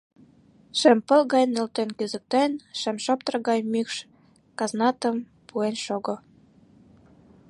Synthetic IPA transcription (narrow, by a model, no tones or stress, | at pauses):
ʃɘ̆mpɤ̆lɣɑjnĕlt̪enkyzə̆k̚t̪enʃɘ̆mʃop̚t̪ə̆rɣɑjmykʃ | kɑznɑt̪ə̆m | puenʃoɣŏ